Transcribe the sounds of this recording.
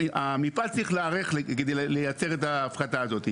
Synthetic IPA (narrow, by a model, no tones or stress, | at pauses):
amipalt͡sʁiχleaʁeχked̪ejlejat͡se̞ʁetaːfχataːzo̞t̪i